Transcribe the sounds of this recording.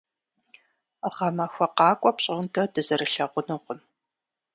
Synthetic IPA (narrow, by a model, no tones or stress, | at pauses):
ʁɐmɐxʷɐqɑːkʷʼɔpɕʼɪʁntʰɐdɨzɐrɨɬɐʁʷʊnɨqʷʊm